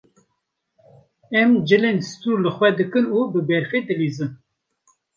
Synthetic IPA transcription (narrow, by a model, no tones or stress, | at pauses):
ɛmd͡ʒɨlensɨ̥t̪uːɾlɨxwɛd̪ɨkɨnubɨbɛɾfeːd̪ɨliːzɨn